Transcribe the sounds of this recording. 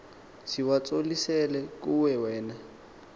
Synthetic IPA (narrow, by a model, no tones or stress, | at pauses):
siwat͡sʼolisɛlɛkʼuwɛwɛːna